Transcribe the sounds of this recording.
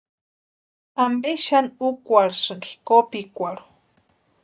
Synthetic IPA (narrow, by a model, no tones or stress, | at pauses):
ambeʃanukʷaɾsɨɡi̥kopikʷaɾo̥